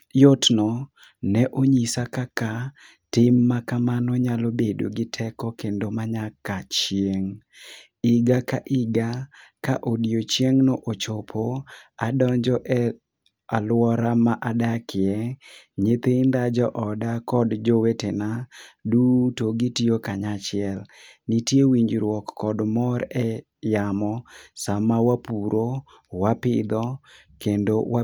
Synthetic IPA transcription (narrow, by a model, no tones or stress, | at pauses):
jotnɔ | nɛʔoɲisakaka | tɪmːakamanɔɲalobedo̰ɡɪtʰɛkɔkendomaɲakat͡ʃjeŋ | ɪɡakaʔɪɡakaʔodjot͡ʃjeŋnɔʔot͡ʃopʰoadɔɲd͡ʒɔʔɛ | alwɔɾamaʔadakɪɛɲet̪end̪ad͡ʒɔʔɔdakɔdd͡ʒowetenadutoɡitiokaɲat͡ʃɪɛlnitjewiɲd͡ʒɾwɔkːɔdmɔɾɛ | jamɔsamawapuɾʔo | wapɪd̪ɔ | kendowa